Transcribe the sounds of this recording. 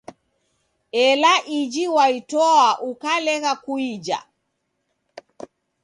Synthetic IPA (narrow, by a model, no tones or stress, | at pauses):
ɛlaʔid͡ʒiwaitɔaʔukalɛɣakuid͡ʒa̰